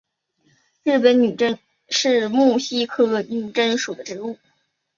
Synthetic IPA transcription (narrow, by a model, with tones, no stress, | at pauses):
ɻ̩˥˩pə˧˥nny˨˩ʈ͡ʂə˥n | ʂɻ̩˥˧mu˥˩ɕi˥kʰɤ˥˩lwə˧˩ny˥˩ʈ͡ʂə˥nʂu˨˩d̪ə˦ʈ͡ʂɻ̩˧˥u˥˩